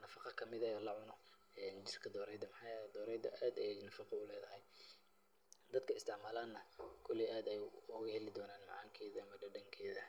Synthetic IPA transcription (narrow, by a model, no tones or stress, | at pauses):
nɐfɑqɑkʰɐmɪðɐɔːlɐʕʊnɔ | ɛːnd͡ʒɪrkʰɐd̪ɔːɾɛjd̪ɐmħɑjɐd̪ɔːɾɛjd̪ɐ̰ʔaːd̪ɐjɛnɐfɑqɑʊlɛːðɐhɛj | d̪ɐd̪kʰɐɪst̪ʰɪʕmaːlaːd̪nɐkʰʊlɪʔaːd̪ɛjʊɣɐhɛlɪd̪ɔːnaːnmɑ̰ʕaːŋkʰɛːðɐɐmɐɖɐɖɐŋkʰɛːðɐ